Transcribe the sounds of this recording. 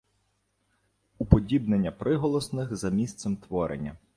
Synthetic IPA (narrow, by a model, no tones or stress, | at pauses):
upɔdʲibnenʲːɐpɾɪɦɔlˠɔsnɪxzɐmʲist̪sɛmt̪ʋɔɾḛnʲːɐ